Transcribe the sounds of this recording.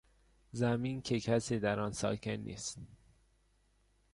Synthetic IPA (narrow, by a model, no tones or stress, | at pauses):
zæmiːncʰekʰæsiːd̪æɾɒːnsɒ̰ːkʰenːḭːst̪